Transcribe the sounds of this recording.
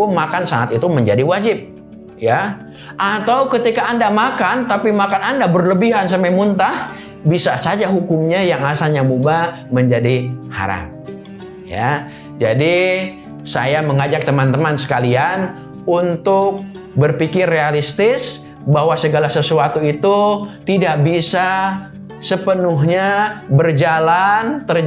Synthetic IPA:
kʊmakansaŋat̪it̪uməɲd͡ʒadiwad͡ʒɪp̚ | ja | ʔat̪awkət̪ikaːndamakant̪apimakanandabərləbiɦansəmɛmunt̪ah | bisasad͡ʒaɦukʊmɲajaŋasalɲamuba | məɲd͡ʒadiha̰ɾa̰ŋ | ja̰ | d͡ʒa̰di | sa̰jaməŋad͡ʒak̚t̪əmant̪əmansə̥kalian | unt̪ʊk̚ | bərpikɪrːealist̪ɪs | baɦwasəɡalasəsuat̪uit̪ut̪idaʔ̚bisa | səpənʊɦɲabərd͡ʒalant̪ər

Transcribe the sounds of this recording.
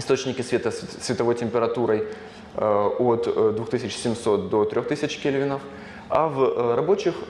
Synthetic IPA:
ɪst̪ot͡ɕnʲɪkʲɪsvʲet̪əsʲvʲɪt̪ɐvo̞jtʲɪmʲpʲɪɾɐt̪uɾəj | ot̪d̪vuxt̪ɨsʲɪt͡ɕsʲɪmso̞t̪̚d̪o̞t̪ɾʲo̞xt̪ɨsʲɪt͡ɕkʲɪlʲvʲɪnəf | a̰vrɐbo̞t͡ɕɪx

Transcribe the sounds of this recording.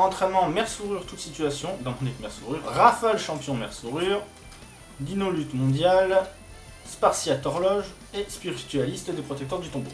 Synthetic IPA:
ɑ̃t̪χɛnmɑ̃mɛʁsuʁyʁt̪ut̪sit̪ɥasjɔ̃d̪ɑ̃mɔ̃nikmɛʁsuʁyʁːafalʃɑ̃pjɔ̃mɛʁsuʁyʁ | d̪inolyt̪mɔ̃d̪jal | spaʁsjat̪ɔʁlɔʒ | espiʁit̪ɥalist̪d̪epχɔt̪ɛkt̪œʁd̪yt̪ɔ̃bo̰

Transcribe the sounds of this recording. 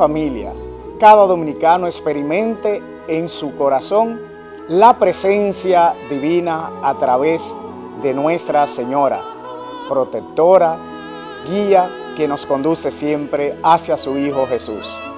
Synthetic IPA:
amilja̰ | kaðaðo̞mĩnikanoekspeɾimẽnt̪e̞ː | ŋsuko̞ɾaso̞ŋ | lapɾe̞se̞nsjaðiβinaːt̪ɾaβez | ðe̞nwe̞st̪ɾase̞ɲo̞ɾa̰ | pɾo̞t̪ek̚t̪o̞ɾa | ɡia | ke̞no̞sko̞nd̪use̞sje̞mpɾe̞asjasuiho̞xe̞sṵs

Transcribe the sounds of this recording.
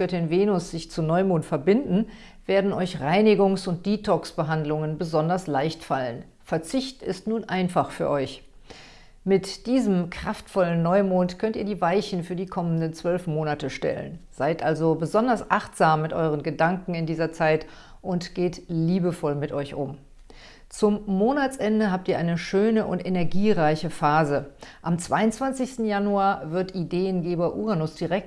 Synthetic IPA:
œtɪnveːnʊsz̥ɪçt͡sunɔʏmoːntfɛɐbɪndn̩ | v̥eːɐdn̩ɔʏçʁaɪnɪɡʊŋsʊnt̚d̥iːtʰɔksb̥əɦandlʊŋənbəzɔndɐslaɪçtfalən | fɛɐt͡sɪçtɪstnuːnʔaɪnfaχfyːɐʔɔʏç | mɪtd̥iːzəmkʁ̥aftfɔlənːɔʏmoːntkʰœntʔiːɐdiːvaɪçn̩fyːɐdiːkʰɔməndənt͡sv̥œlfmoːnatəʃtɛ̰lə̰nz̥aɪtʔalzobəzɔndɐsʔaχtz̥aːmːɪtʔɔ̰ʏʁ̞ənɡədaŋkŋ̩ɪndiːzɐt͡saɪt | ʔʊntɡ̥eːtliːbəfɔlmɪtʔɔʏçʔʊ̰m | t͡sʊmːoːnat͡sʔɛndəɦaːp̚tiːɐʔaɪnəʃøːnəʔʊ̰ntʔenɛɐɡiːʁaɪçəfaːzəʔamt͡sv̥aɪʊnt͡sv̥ant͡sɪçstn̩januaːɐvɪɐtʔideːənɡeːbɐʔuːʁanʊsd̥iʁɛk̚t

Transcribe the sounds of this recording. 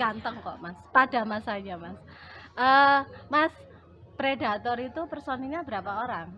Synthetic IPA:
ant̪əŋkɔʔmaspad̥a̤masaɲamas | ʔəmas | pɾeda̤t̪ɔɾit̪upərsɔniɲabəɾapaoɾaŋ

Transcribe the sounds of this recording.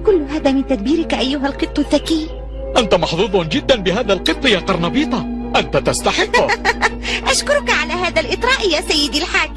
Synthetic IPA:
kʊlːʊɦaːðaːmɪnt̪ad̪biːɾɪkʔajːʊɦalqɨt̪ˤːʊðːakiː | ʔant̪amɑħðˤuːðˤd͡ʒɪd̪ːanbɪɦaːðalqɨt̪ˤːjaːqɑɾˤnɑbiːt̪ˤɑʔant̪at̪ast̪ɑħɪqːʊ | ʔaʃkʊɾʊkaʕalaːɦaːðalʔɨt̪ˤɾˤɑːʔjaːsajːɪd̪alħak

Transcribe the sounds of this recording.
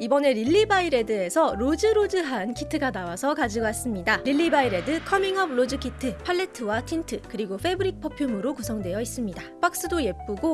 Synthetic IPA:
ibʌne̞ɾiʎːibaiɾe̞dɯe̞sʰʌɾod͡ʑɯɾod͡ʑɯɦankʰitʰɯɡanawasʰʌkad͡ʑiɡoas͈ɯmɲidaɾiʎːibaiɾe̞dɯkʰʌmiŋɦʌbɭod͡ʑɯkʰitʰɯpʰaɭːe̞tʰɯwatʰintʰɯkɯɾiɡoɸʰe̞bɯɾik̚pʰʌpʰjomɯɾokusʰʌŋdwe̞jʌis͈ɯmɲidap͈ʰak̚s͈ɯdoje̞p̚p͈uɡo

